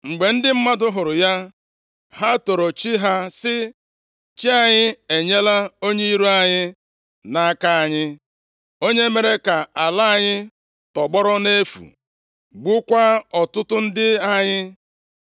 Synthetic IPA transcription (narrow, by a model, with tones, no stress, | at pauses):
ŋ͡m̩˨ɡ͡be˨n̩˦dɪ˦m̩˦ma˦dʊ˦ɦʊ˨ɾʊ˨ja˦ | ɦa˦to˨ɾo˨t͡ʃi˦ɦa˦sɪ˦ | t͡ʃi˦a˨ɲɪ˦e˨ɲe˦la˦o˦ɲe˦i˦ɾu˦a˨ɲɪ˦ | na˦ka˦a˨ɲɪ˦ | o˦ɲe˦me˨ɾe˦ka˨a˨la˦a˨ɲɪ˦ | tɔ˨ɡ͡bɔ˦ɾɔ˦ne˦fṵ˨ | ɡ͡bʊ˦kʷa˦ɔ˨tʊ˦tʊ˦n̩˦dɪ˦a˦ɲɪ˦